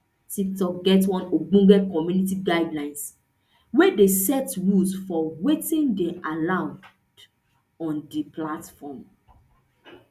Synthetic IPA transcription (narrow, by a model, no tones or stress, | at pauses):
tik̚tɔkɡɛtwɔ̃noɡ͡bũɡɛkɔmjunitiɡadlãɪ̃ns | wɛdesɛtɹulsfɔwetĩndɛʔalãʊ̃n | d | ɔ̃ndiplatfɔm